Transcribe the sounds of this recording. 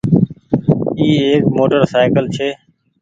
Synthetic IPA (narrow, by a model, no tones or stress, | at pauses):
iːeːkmoːʈəɾsaːɪkəlt͡ʃʰeː